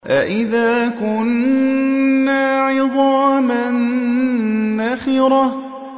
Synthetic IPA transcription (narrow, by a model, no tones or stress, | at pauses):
ʔaʔɪðaːkʊnː | aːʕɪðˤɑːman | ʔaxiːɾɑ